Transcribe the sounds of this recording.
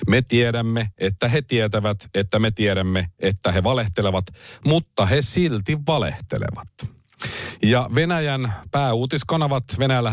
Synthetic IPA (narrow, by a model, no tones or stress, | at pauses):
met̪ieɾæmːeet̪ːæɦe̞t̪iet̪æʋæt̪et̪ːæme̞t̪ieɾæmːeʔet̪ːæɦe̞ʋɑle̞ht̪eleʋɑt̪mut̪ːɑɦesilt̪iʋːɑlḛht̪ḛlḛʋɑt̪ | jɑʋenæjænpæːuːt̪iskɑnɑʋɑt̪ʋenæjælːæ